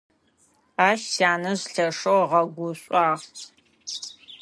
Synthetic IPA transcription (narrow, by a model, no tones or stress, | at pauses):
aːʃsaːnɐʑɬɐʂowʁɐɡʷʊɕʷʼɑːʁʰ